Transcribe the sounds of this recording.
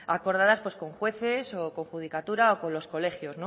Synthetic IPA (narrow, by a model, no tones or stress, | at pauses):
ako̞ɾð̞aðaspwe̞sko̞ŋxwe̞θeso̞ko̞ŋxuðikat̪uɾaoko̞nlo̞sko̞le̞xjo̞zno